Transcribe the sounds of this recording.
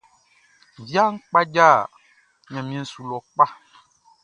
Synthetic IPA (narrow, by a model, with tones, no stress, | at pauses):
vja˦ŋ̩˦k͡pa˦d͡ʒa˦˨ | ɲã˨mĩ˨ɛ̃˨n̩˦su˨lɔ˨k͡pa˦